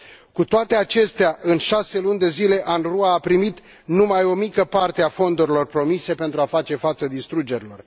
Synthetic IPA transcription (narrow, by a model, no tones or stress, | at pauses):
kut̪oat̪e̞at͡ʃe̞st̪eaʔɨnʃase̞lunʲd̪e̞zile̞ʔanruaːpɾimit̪ | numajo̞mikəpart̪e̞afo̞nd̪uɾilo̞rpɾo̞mise̞pe̞nt̪ɾuafat͡ʃe̞fat̪səd̪ist̪ɾud͡ʒe̞ɾilo̞r